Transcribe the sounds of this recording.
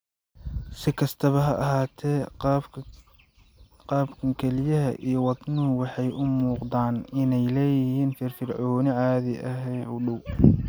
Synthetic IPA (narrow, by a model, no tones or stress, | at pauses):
sɪkʰɐst̪ʰɐβɐɦɐʔɐɦaːt̪ʰɛː | qɑːbkʰɐŋkʰɛlɪjɐɦɐ̰ʔḭjɞwɑd̪nʊɦʊwɑħɑjʔʊmuːqd̪aːnɪnɛjlɛːjɪɦiːnfɪrfɪrʕɔːnɪʕɑːðɪʔɐɦɛjnʊɖʊw